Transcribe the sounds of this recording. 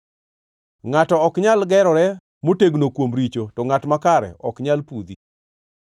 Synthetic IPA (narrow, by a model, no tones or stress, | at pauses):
ŋatɔɔkɲalɡɛɾɔɾɛ | moteɡnokwomɾit͡ʃotɔŋatmakaɾɛ̰ʔɔ̰kɲalpud̪i